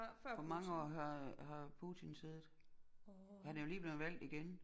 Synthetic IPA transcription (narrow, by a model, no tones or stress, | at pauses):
fɒmɑ̈ŋəɒ̰ːɦɑ̈ɦɑ̈pʰṵːt͡sʰinse̝ːð̩ˠ | hænæɐjo̝liːb̥le̝ːð̩ˠʋæl̰d̥iɡ̥en